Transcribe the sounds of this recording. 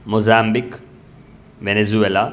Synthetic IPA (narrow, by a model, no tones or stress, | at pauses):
mozambik | ʋenezuela